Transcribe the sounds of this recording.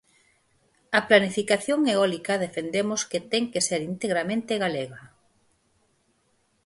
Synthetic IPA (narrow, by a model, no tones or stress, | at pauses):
ɐplanifikaθjoŋeɔlikɐðefend̪emosket̪eŋkeseɾint̪eɣɾamẽnt̪eɣaleɣɐ